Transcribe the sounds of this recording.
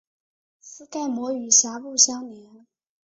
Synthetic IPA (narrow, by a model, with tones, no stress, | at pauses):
sɹ̩˥ka˥˩ɪmwɔ˧˥y˨˩ɕja˧˥pu˥˩ɕjɑ˥ŋljɛ˧˥n